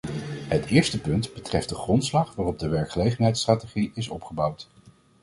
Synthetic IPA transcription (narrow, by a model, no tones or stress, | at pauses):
ɦətɪːɹstəpɵntb̥ətrɛft̚dəχrɔntslɑχʋaːrɔb̚dəʋɛɹkχəlejχənɦɛjtstraːteχiɪsɔpχəbɑwt